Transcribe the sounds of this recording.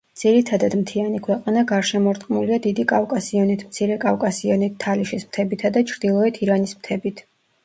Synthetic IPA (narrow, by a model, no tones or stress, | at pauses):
d̪z̥iɾit̪ʰad̪ad̪mt̪ʰianikʰwɛqʼanaɡaɾʃɛmɔɾt̪ʼqʼmuliad̪id̪ikʼafkʼasiɔnit̪ʰmt̪sʰiɾɛkʼafkʼasiɔnit̪ʰːaliʃismt̪ʰɛbit̪ʰad̪at͡ʃʰɾd̪ilˠɔɛt̪ʰiɾanismt̪ʰɛbit̪ʰ